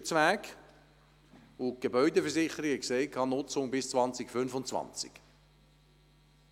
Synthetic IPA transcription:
t͡svæːk | ʊɡ̥ebœʏdəfəɹsɪχəɾiɡɛkseɪkʰɑːnʊt͡sʊŋbɪst͡svɑnt͡sɪkfʏnfʊnt͡svɑ̰nt͡sɪ̰k

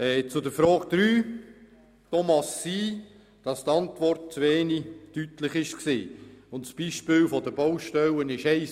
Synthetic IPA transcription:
ɛːt͡sʊdəfɾɔːɡ̥d̥̪ɾyː | tɔmɑsːiː | d̥ɑst̪ɑntvɔrt̚t͡sveːnitytlɪχɪʃksḭːʊntsb̥iːʃpɪːlfɔdəbowʃtɛlənɪʃɛɪ

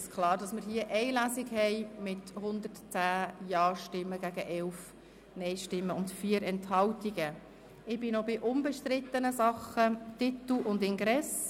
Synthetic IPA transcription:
skʰlɑːɾdɑsmɪɾɦiəʔɛɪlæsɪɡhɛɪmɪthʊnd̪əɾtt͡sæːjɑːʃtɪmːəɡæɡəʔɛlf | nɛɪʃtɪmːəʊntfiːəɾɛnthɑltiɡə | ɪb̥ɪnobɪʔʊmbɛʃtɾɪt̪ːənəsɑχətɪt̪l̩ʊndɪŋɡɾɛs

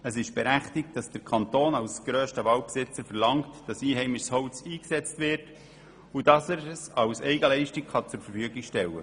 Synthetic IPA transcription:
əsɪʃb̥ɛɾæχtɪk̚td̥ɑsd̥əkʰɑnt̪oːnɑwsɡ̥ɾøːʃtəʋɑl̚psɪt͡səɾfəɾlɑŋktd̥ɑsiːɦɛɪmɪʃshɔʊt͡siːksɛt͡stʋɪɾt | udɑsəɾsɑwsɛɪɡəlɛɪʃtɪkχɑt͡sʊɾfəɾfyːəɡɪkʃtɛlːə̰

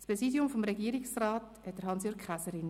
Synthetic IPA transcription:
spɾɛsidjʊmfomɾɛɡiːɾɪksraːt | hɛt̚d̥əɾɦɑnsjøːɾkχasəɾɪn

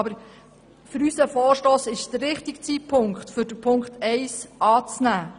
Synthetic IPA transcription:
bəɾ | fʏɾysəfɔːrʃtoːsɪʃd̥̪əɾːɪχtɪkt͡siːpʰʊŋkχtfʏɾd̥əpʰʊŋkχtɛɪsʔɑːt͡snæː

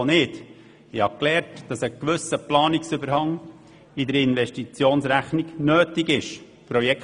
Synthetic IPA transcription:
nɪt | ɪhɑklɛːɾtd̥ɑsəkʋʏsːəplɑːnɪksʏbəɾhɑŋ | idəɾɪnʋɛʃtit͡sjoːnsɾæχnɪɡnøːtɪɡɪʃ | pɾɔjɛk

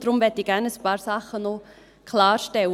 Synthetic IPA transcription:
d̥ɾʊmʋɛtiɡ̥ænəspɑːɾsɑχəno | kʰlɑːɾʃtɛw

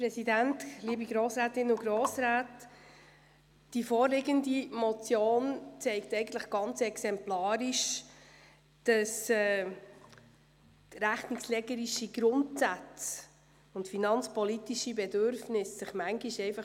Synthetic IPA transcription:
pɾɛsidæntliːəbiɡɾoːsɾaːtɪnʊɡɾoːsɾaːt | d̥ifɔːɾlɪɡəndimɔt͡sjoːnt͡sɛɪktɛɪɡən̩t̪ləχɡ̥ɑnt͡sɛksɛmplɑːɾiʃ | d̥ɑsɛ | tɾæχnɪkslɛɡəɾiʃiɡ̥ɾʊntsæt͡s | ʊntfinɑnt͡spɔlitiʃibɛdøɾfnɪsːɪχmæŋɡiʃɛɪfɑχ

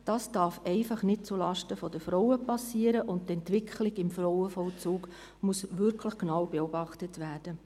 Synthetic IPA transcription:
d̥ɑːsd̥ɑːɾfɛɪfɑχnɪt̚t͡sulɑʃtəfɔdəfɾɔwəpɑsiːəɾəʔʊnttɛntʋɪkʰχlɪɡɪmfɾɔʊəfɔlt͡suːɡ | musʋʏɾkʰləχknɑʊbeɔbɑχtətʋæːɾd̥ə

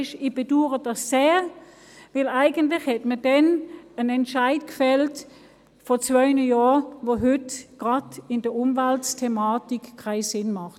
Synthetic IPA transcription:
ʃɪb̥eduːʁəd̥ɑsːeː | vɪlaɪɡəntlɪχhɛtmədɛnənɛntʃaɪtkfɛlt | fɔt͡svœʏnəjɔːʋoɦʏtɡ̥ʁɑdɪndəʊmvaltstʰɛmaːtikʰːaɪsɪnmɑχt

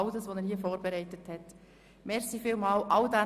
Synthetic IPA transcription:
ʊdəsʋonɛɾhiəfoːɾb̥ɛɾɛɪtəthɛt | mɛɾsifiːlmɑːlʔɑwdæ

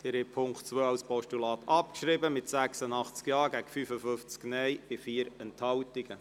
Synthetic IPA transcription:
d̥̪ɛɾhɛpʰʊŋktt͡sʋøːɑwspɔʃtulɑːt̪ʰɑp̚kʃɾɪbəmɪt̪sæksənɑχt͡skjɑːɡæɡ̥əfyːfəfʏft͡sknɛjb̥ɪfiːəɾɛnthɑwtɪɡ̥ə

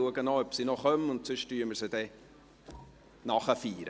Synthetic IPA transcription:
uəɡənoœpsinɔχœmənʊntsʏʃtyːəməɾsədɛ | nɑχəfiːɾə

